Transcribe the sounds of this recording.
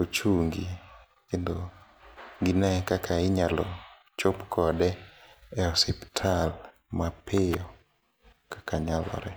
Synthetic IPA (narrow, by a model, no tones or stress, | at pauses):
ot͡ʃuŋɡi | kendo | ɡinɛkakʰaɪɲalɔ | t͡ʃopkʰɔdɛɛɔsɛptʰal | mapɪjɔ | kḁkaɲalɔ̰ɾɛ